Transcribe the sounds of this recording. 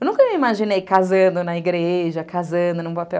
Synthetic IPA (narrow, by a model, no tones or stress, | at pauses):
ewnũkɐmiimaʒinejkazɐ̃nd̪ʊnɐiɡɾeʒɐkʰazɐ̃d̪ʊnũpapɛw